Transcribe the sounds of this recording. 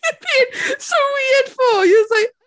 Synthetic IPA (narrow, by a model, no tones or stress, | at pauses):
b̥it̚soʊɹid̥fl̩ˠhiwʌzlaɪk̚